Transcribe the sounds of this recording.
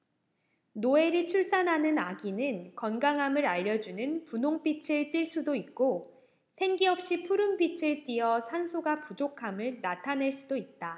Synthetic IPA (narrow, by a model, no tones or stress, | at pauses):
noe̞ɾit͡ɕʰuɭs͈anɦanɯnaɡinɯnkʌnɡaŋɦamɯɾaʎːʌd͡ʑunɯnpunoŋp͈it͡ɕʰɯɭt͈iɭs͈udoit̚k͈o | sʰe̞ŋɡiʌp̚ɕ͈ipʰuɾɯmpit͡ɕʰɯɭt͈iʌsʰansʰoɡapud͡ʑokʰamɯɭnatʰaneɭs͈udoit̚t͈a